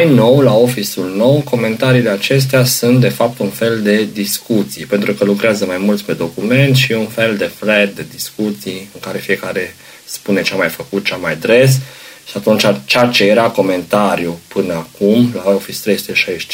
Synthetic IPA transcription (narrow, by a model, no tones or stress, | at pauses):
ajno̞wlao̞fisulno̞wko̞me̞nt̪aɾiːle̞at͡ʃe̞s̬t̪easunt̪̚d̪e̞fap̚t̪unfe̞ld̪e̞d̪iskut̪sijpe̞nt̪ɾukəlukɾeazəmajmult̪sʲpe̞d̪o̞kume̞nt̪ʃiunfe̞ld̪e̞fɾet̪̚d̪e̞d̪iskut̪sijɨŋkaɾe̞fije̞kaɾe̞ | spune̞t͡ʃamajfəkut̪̚t͡ʃamajd̪ɾe̞s̬ʃiat̪unt͡ʃat͡ʃat͡ʃe̞je̞ɾako̞me̞nt̪aɾjupɨnəakumlaofist̪ɾejsu̥t̪eʃaʃ